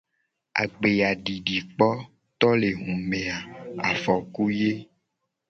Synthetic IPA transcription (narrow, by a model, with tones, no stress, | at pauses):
a̰˨ɡ͡be˨ja˨ɖi˨ɖi˨k͡pɔ˦ | t̪ɔ˦le˨ɦũ˨me˨a˨a̰˨fɔ˨ku˦je˦